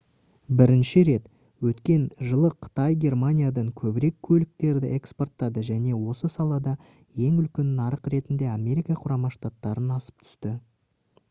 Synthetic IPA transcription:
bɪɾɪnʃɪɾe̞t̪ | wɵt̪kʲe̞nʒəlˠəqʰə̥t̪ɑjɡʲe̞rmanʲijad̪ɑɴkʲʰɵbɪɾe̞kʲʰːɵlɪk̚t̪e̞ɾd̪ɪʔe̞kspo̞rt̪ːɑd̪əʒæne̞wo̞səsɑlˠɑd̪ɑ | je̞ŋʏlkʲe̞nnɑɾəqɾe̞t̪ɪnd̪e̞amʲe̞ɾikɑqʰʊɾɑmɑʃt̪at̪ːɑɾənɑsə̥p̚t̪ʰʏ̥st̪ɪ

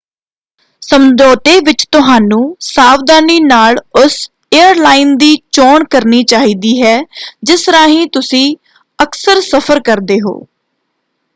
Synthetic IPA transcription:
səmd̪ɔːt̪eːʋɪt͡ʃt̪ʊɦaːnũːsaːʋd̪aːniːnaːlʊs | eːəɾlaːiːnd̪iːt͡ʃoːɳkəɾniːt͡ʃaːɦiːd̪iːɦɛːd͡ʒɪsɾaːɦĩːt̪ʊsĩː | əksəɾsəpʰəɾkəɾd̪eːɦo̰ː

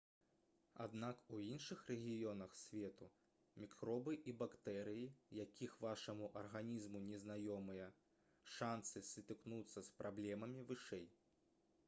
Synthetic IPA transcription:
a̰d̪nakuinʂɨxrɛɣʲijɔnɐxsʲvʲɛt̪u | mʲikɾɔbɨʔibakt̪ɛɾɨjijakʲʰixvaʂɐmuʔɐrɣanʲizmunʲɛznajɔmɨjɐ | ʂansɨsʲɨt̪ɨknut̪sːɐspɾʔablʲɛmɐmʲivɨʂɛj

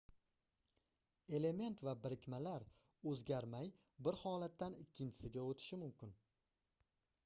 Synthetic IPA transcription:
e̞le̞me̞nt̪vabɪɾɪkʲmalaɾ | ɵzɡʲaɾmaj | bɪɾhɒːlat̪ːanɪkʲʰːɪnt͡ʃʰɪ̥sɪɡʲaot̪ʰɪ̥ʃɪmʊmkʲɪn

